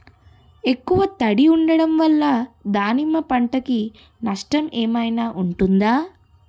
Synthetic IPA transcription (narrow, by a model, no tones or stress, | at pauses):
e̞kːuʋɐt̪ɐɽiuɳɖɐɽɐmʋɐlːɐd̪aːnimːɐpɐɳʈɐki | nɐʂʈɐmeːmɐjnaːʔuɳʈund̪aː